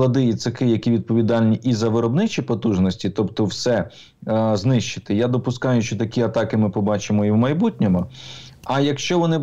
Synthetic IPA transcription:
ɐd̪ɪjit̪sɪkɪjɐkʲiʋʲid̪̚pɔʋʲid̪ɑlʲnʲiʔizɐʋɪɾɔbnɪt͡ʃipɔt̪uʒnɔsʲtʲit̪ɔpt̪ɔwsɛ | znɪʃt͡ʃɪ̥t̪ɪjad̪ɔpʊskɑjʊʃt͡ʃɔt̪ɐkʲiɐt̪ɑkɪmɪpɔbɑt͡ʃɪmɔiwmɐjbutʲnʲemɔɐjɐkʃt͡ʃɔʋɔnɪ

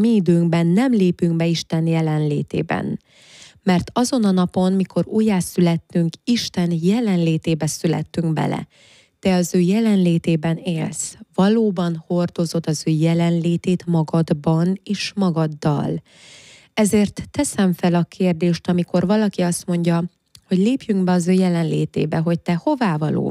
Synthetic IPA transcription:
miid̪øːŋɡbɛnːɛmleːpyŋɡbɛiʃt̪ɛnjɛlɛnlḛːt̪ḛːbɛ̰n | mɛrt̪ɒzo̞nɒnɒpo̞nmiko̞ɾuːjaːsylɛt̪ːyŋkiʃt̪ɛnjɛlɛnleːt̪eːbɛsylɛ̰t̪ːyŋkbɛ̰lɛ̰ | d̪̥ɛɒzøːjɛlɛnleːt̪eːbɛneːlsvɒloːbɒnho̞rd̪o̞zo̞d̪ɒzøːjɛlɛnleːt̪eːt̪mɒɡɒd̪bɒneːʃmɒɡɒd̪ːɒ̰l | ɛzeːrt̪ːɛsɛɱfɛlɒkʰeːrd̪eːʃt̪ɒmiko̞rvɒlɒkiɒst̪mo̞ɲɟɒ | ho̞ɟleːpjyŋɡbɛɒzøːjɛlɛnlḛːt̪ḛːbɛɦo̞c̚t̪ɛho̞vaːvɒlo̰ː

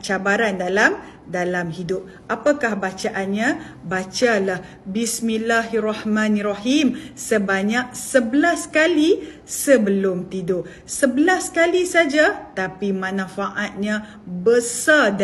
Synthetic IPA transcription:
t͡ʃabaɾandalam | dalamɦidʊp̚ | ʔapakahbat͡ʃaʔanɲã | bat͡ʃalah | bismilaɦarahmãnraɦimsəbaɲak̚səbəlaskali | səbəlʊmt̪ido | səbəlaskalisad͡ʒat̪apimãnãfaʔat̪̚ɲã | bəsad

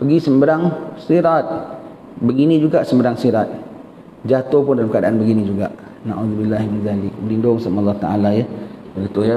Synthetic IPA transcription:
pəɡisəmbəɾaŋsiɾat̪̚ | bəɡinĩd͡ʒuɡaʔsəmbəɾaŋsiɾat̪̚ | d͡ʒat̪opʊndalamkadaʔanbəɡinĩd͡ʒuɡaʔ | na̰ʔuðubilːaɦiminzalɪkbəlindʊŋsamaɑlˠːɑht̪a̰ʔa̰lajabəɡət̪ʊja

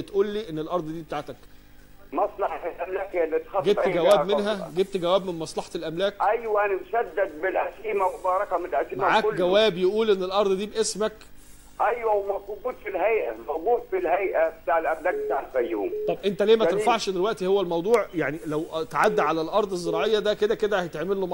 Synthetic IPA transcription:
t̪ʔuːlːiːʔenːelʔɑɾˤd̪ˤd̪iːbet̪aːʕt̪æk | mɑsˤlɑħɑt̪lʔæmlæːkhejælːet̪ːi̥xɑɡebt̪ːɡæwæːmenɦæɡeb̚t̪ɡæwæːbmenmɑsˤlɑħɑt̪elʔæmlæːkʔæjwæʔænæmʃæd̪ːæd̪̚bɪlʔæsiːmæwobɑːɾˤɑkæmnelʔæsiːmamæʕaːkːɡæwæːbjeʔuːlʔenːelʔɑɾˤd̪ˤd̪iːbʔesmæk | ʔæjwæwmɑkːɡuːd̪filhæjʔæmɑwɡuːffilhæjʔæbet̪aːʕelʔæmlæːk̚bet̪aːʕelfæj̰ːṵmt̪ˤɑbʔent̪ælæːmæt̪enfɑʕʃd̪elwæʔt̪ihowːælmɑwd̪ˤuːʕjaʕnilæwt̪ʕad̪ːʕalælʔɑɾˤd̪ˤezːeɾˤɑːʕejːɑd̪æked̪æked̪æhæjet̪eʕmelːom

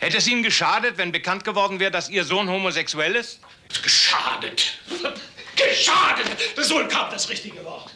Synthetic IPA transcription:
hɛtəɛs̬iːnənɡəʃaːdətv̥ɛnbəkʰant̚ɡ̥əvɔɐdn̩vɛːʁədasʔiːɐzoːnhomozɛksuɛlɪst | ɡ̥əʃa̰ːdət | ɡ̥əʃaːdətd̥ɛzoːɪnkʰapd̥asʁɪçtɪɡəvɔɐt

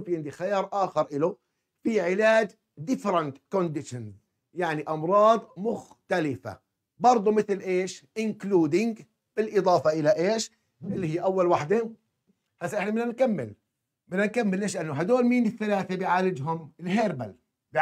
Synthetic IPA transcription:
fiʕɪnd̪ixajɑːɾˤʔaːxɑɾˤʔɪlʊ | fiʕɪlaːd͡ʒ | d̪ɪfɾɑnt̪kond̪ɪʃɪnz | jaʕniʔɑmɾˤɑːd̪ˤmʊx | t̪alɪfa̰ | bɑɾˤd̪ˤumɪθlʔeːʃʔɪnkluːd̪ɪŋɡ | b̥ɪlʔɨd̪ˤɑːfɑʔɪlaʔeːʃ | ʔɪlːihijːʔawːalwaħd̪e | hasːaʔɪħnamɪnːankamːɪ̰l | mɪnːankamːɪlːeːʃ̬lʔanːʊɦad̪oːlmiːnɪθːalaːθebɪʕaːlɪd͡ʒɦʊmɪlɦeːɾba̰l | b

